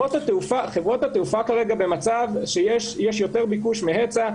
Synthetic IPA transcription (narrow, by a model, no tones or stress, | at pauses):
ot̪hat̪eufaχe̞vʁot̪hat̪eufakaʁe̞ɡabe̞mat͡savʃejeʃjeʃjo̞t̪eʁbikuʃmeɦet͡sa